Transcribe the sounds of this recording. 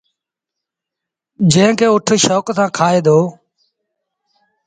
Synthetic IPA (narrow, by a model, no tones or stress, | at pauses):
d͡ʒẽːɪ̃kʰeːʊʈʰʃɔːksãːkʰaːeːd̪oː